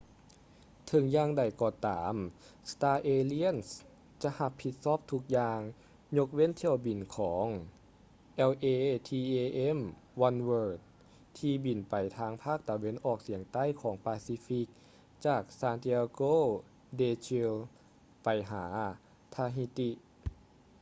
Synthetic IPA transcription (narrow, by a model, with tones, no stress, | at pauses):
t̪ʰɤ˨˦ŋjaː˧ŋda˨˩jkɔː˧˩t̪aː˩˦mst̪aː˧ʔeː˧li˧˥ə˨ns | t͡ɕa˧˦ʔha˧pʰːi˧t̪̚sɔː˧˥˩p̚t̪ʰu˧˥k̚jaː˧ŋ | ɲo˧˥k̚we˧˥˨nt̪ʰi˧˩ə˨wbi˨˩nkʰɔː˩˦ŋ | ʔɛ˧wʔeː˧t̪ʰiː˧ʔeː˧ʔe˧˥˨mwa˧nwɤː˧t̪̚ | t̪ʰiː˧bi˨˩npa˨˩jt̪ʰaː˧˥ŋpʰaː˥˩k̚t̪a˨˩we˧˥˨nʔɔː˧˩k̚si˨˩˦əŋt̪a˧˥˨jkʰɔː˩˦ŋpaː˧si˧˥fi˧˥k̚ | t͡ɕaː˨˩k̚saː˧nt̪ʰi˧a˧koː˥˩˨ | deː˧t͡ɕʰi˧l | pa˨˩jɦaː˩˦ | t̪ʰaː˧ɦi˧˥t̪i˧ʔ